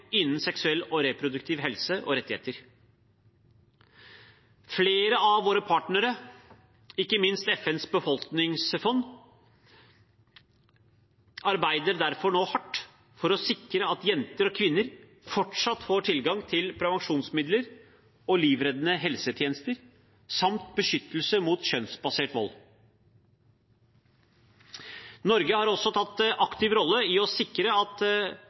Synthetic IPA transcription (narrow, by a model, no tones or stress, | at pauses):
ɪnːn̩sɛksʉɛlːɔɾepʰɾʊd̪ʉkt̪ʰiːʋɦɛlsəʔɔ̰ɾɛt̪ːɪheːt̪əɾ | fleːɾəɑʋʋoːɾəpʰɑːʈɳəɾə | ɪkːəmɪnst̪ɛfɛnsbəfɔlknɪŋsfɔnː | ɑɾbæɪd̪əɾd̪æɾfɔɳoːhɑʈː | fɔɾɔsɪkɾəɑt̪jɛnt̪əɾɔkʰʋɪnːəɾ | fɔʈʂɑt̪ːfoːʈʰɪlɡɑŋt̪ʰɪlpʰɾɛʋɑŋʂuːnsmɪd̪ləɾ | ɔliːʋɾɛd̪ənəɦɛlsət̪ʰjeːnəst̪əɾ | sɑmt̪̚bəʃʏt̪ːəl̩səmuːt̪ɕœnsbɑseːʈʋɔ̰l | nɔɾɡəhɑːɾɔsɔt̪ʰɑt̪ːʔɑkt̪ɪʋɾɔlːəɪɔsɪkɾəɑt̪